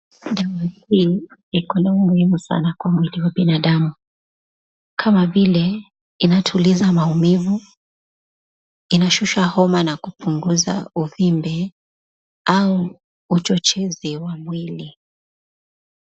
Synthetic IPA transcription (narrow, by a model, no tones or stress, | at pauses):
ɗawahiːikɔnaumuhimusa̰nakwamwiliwaɓinaɗamu | kʰamavilɛ | inatʰulizamaumivu | inaʃuʃahɔmanakupʰuŋɡuza̰uvimbɛ | auː | t͡ʃɔt͡ʃɛziwamwili